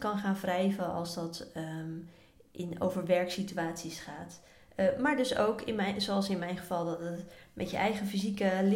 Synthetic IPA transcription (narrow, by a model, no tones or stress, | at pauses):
kɑnχaːnvrɛjvəɑ̰lˠsdɑt | ʔɪno̰wvəɹʋɛɹksityaːtsisχaːt | maːɹdɵso̰wkɪnmɛsoɑlˠsɪnmɛjnχəv̥ɑlˠdɑtətmʔɛtjə̰ʔɛ̰jχəfizikəl